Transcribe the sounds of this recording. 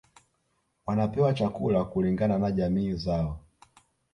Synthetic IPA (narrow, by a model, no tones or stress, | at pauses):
wanapɛwat͡ʃakulakuliŋɡananaʄamiːzaɔ